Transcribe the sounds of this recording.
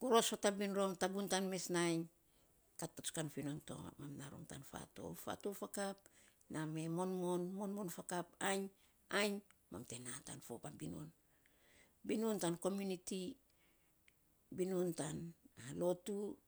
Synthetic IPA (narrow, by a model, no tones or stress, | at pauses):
ɡ̥oɾo̞sotabinɾo̞mtaɡuntanme̞snajɲ | katːoskanfinonto̞̰mamnaɾo̰mta̰nfa̰to̞̰fa̰tofakap̚ | name̞mo̞nmo̞nmo̞nmonfakapajɲ | ajɲma̰mtenata̰nfo̞pabinṵn | binuntanko̞mjuniti | binuntanalo̞tu